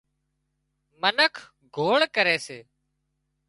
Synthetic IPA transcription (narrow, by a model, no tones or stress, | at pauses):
mənəkʰ | ɡʱoːɭkəɾeːseː